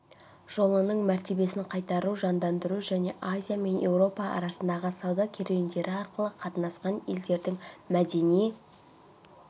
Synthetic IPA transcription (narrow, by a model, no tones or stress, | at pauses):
ʒ̥o̞lˠənəɴmæɾt̪e̞be̞sɪɴqʰɑjt̪ɑɾuʒɑnd̪ɑnd̪əɾuʒæne̞ʔazʲijame̞nje̞wɾo̞pɑɑ̰ɾɑsənd̪ɑʁəsɑwd̪ɑkʲʰe̞ɾejɪnd̪e̞ɾɪɑɾqəlˠəqʰɑt̪ənɑsqɑne̞ld̪e̞ɾd̪ɪŋmæd̪e̞nije